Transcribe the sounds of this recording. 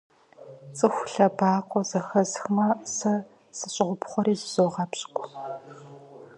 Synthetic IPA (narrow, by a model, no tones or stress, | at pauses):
t͡sʼɨxʷɬɐbaːqʷɔzɐxɐzxmɐsɐ | sɨɕʼɪʁʷʊpχʷɔɾiːzz̥oːʁɑpɕʼkʷʼ